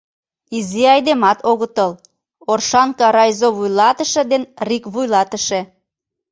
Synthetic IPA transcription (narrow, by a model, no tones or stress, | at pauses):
iziɑjd̪emɑt̪oɣət̪əl | orʃɑnkɑɾɑjzoβujlɑt̪əʃə̆d̪enrikβujlɑt̪əʃe